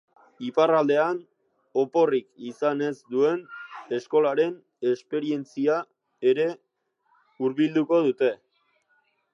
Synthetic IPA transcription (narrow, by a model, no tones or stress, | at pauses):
iparald̪e̞an | o̞po̞rikisane̞zd̪ue̞ne̞sko̞laɾe̞n | e̞spe̞ɾie̞nt͡sia | e̞ɾe̞ | uɾβild̪uko̞ðut̪e̞